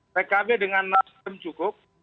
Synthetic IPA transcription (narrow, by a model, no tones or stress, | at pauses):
rekabedəŋanːasi̥əmt͡ʃukʊp̚